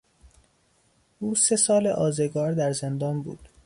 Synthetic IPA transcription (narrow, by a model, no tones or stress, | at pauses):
ʔuːse̞sɒːleʔɒːzeɡɒːɾd̪æɾzend̪ɒːnbṵːd̪̥